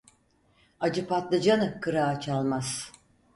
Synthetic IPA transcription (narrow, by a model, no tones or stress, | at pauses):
ad͡ʒɯpat̪lˠɯd͡ʒanɯkʰɯɾaːt͡ʃʰalˠmaz̥